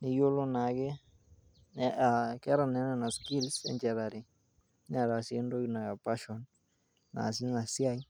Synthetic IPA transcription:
nɪ˨jo˦lo˦na˨kɪ˦ | nɛakɛ˦ɾa˨nɛ˦nɛ˦˨na˨ski˦lsɛ̰˨ɲt͡ʃɛ˨ɾa˨ɾi˨˦ | na˨ɾa˨se˦ndo˦kna˨ja˨pa˦ʃɔ˨n | na̰˨s̬i˦na˨sja˦i˦

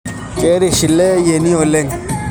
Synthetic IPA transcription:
e˨˦ɾi˨ʃi˨le˦je˨ni˦o˨le˦˨ŋ

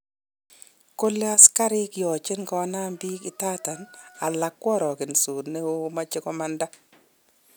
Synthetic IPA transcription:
ko˦le˦a˦ska˦ɾɪ˦kjɔ˨t͡ʃɪ˦nkɔ˦a˦na˦mbi˦kɪ˨ta˦ta˨na˨la˨kːwɔ˦ɾɔ˨kɪ˨nsu˨tne˦wo˦ma˦t͡ʃɪ˦kɔ˦ma˦nda˦

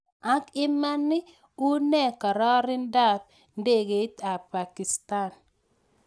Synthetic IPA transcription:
a˦kɪ˦ma˦nːɪ˦ | u˦nɛ˦˨ka˨ɾɔ˦ɾɪ˦nda˦t̪̚ | nde˦ɡe˨˦ta˨pa˨ki˨sta˦˨n

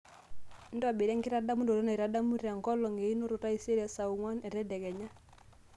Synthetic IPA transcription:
n̩˦da˨bɪ˨ɾɛ˦ŋkɪ˦ɾa˦da˦mu˦ndo˨ɾɛ˦na˨i˨ɾa˨da˦mu˦ɾa˨ŋ˨kɔ˦lɔ˨ŋe˨i˦no˦ɾʊ˨ta˦i˦se˦ɾɛ˨sa˨u˨ŋwa˦nɛ˨ɾɛ˦dɛ˨kɛ˨ɲa˦

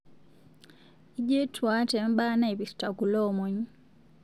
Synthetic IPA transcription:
i˦d͡ʒe˦tʰwa˦tɛ˨m˦ɓa˦na˦i˨bi˨sta˨ɡu˨lɔ˦˨mɔ˨ɲ˦

